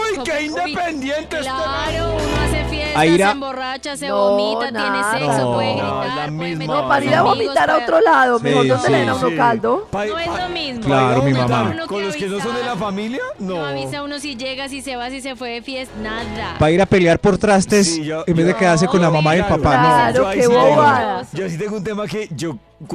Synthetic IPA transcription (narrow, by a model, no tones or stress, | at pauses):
ikeind̪epend̪jent̪est̪ee | efjeaiɾaborat͡ʃasnonao | lamizmnopaɾiɾaβomit̪aɾaot̪ɾolaðomeood̪elenawnokald̪opomizmklaɾomimamakoloskenosond̪elafamiljanoisaunosid͡ʒeɣasiseβasisefwefjesnapaiɾape̞ljaɾpo̞ɾt̪ɾast̪esembe̞zðd̪eke̞ðaɾs̬eko̞nlamamaðjelpapanoɾokeuoaɾd͡ʒoasit̪eŋɡount̪̬emaked͡ʒo